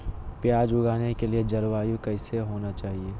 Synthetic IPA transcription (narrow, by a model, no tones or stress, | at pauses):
pjaːd͡ʒʊɡaːnekelied͡ʒɐɾʋaːjũkɛɪseɦoːnat͡ʃaːɦieː